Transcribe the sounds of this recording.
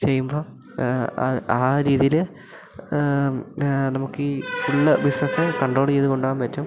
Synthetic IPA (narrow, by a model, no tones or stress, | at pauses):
t͡ɕe̞jːumbo̞ː | ɐ̰aːɾiːðijil | nɐmukːɨfuɭːɐbisnɐsɨkɐɳɖroːɭt͡ɕejðuko̞ɳɖaːnpɐtːum